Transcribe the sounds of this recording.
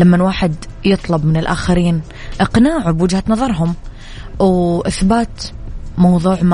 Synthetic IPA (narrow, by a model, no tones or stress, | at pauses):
lamːanwaːħɪd̪ | jɨt̪ˤlɑbmɪnɪlʔa̰ːxaɾiːn | ʔɪqnaːʕubwɪd͡ʒhanɑðˤɑɾˤɦʊm | wʔɪθbaːt̪mɑwðˤuːʕm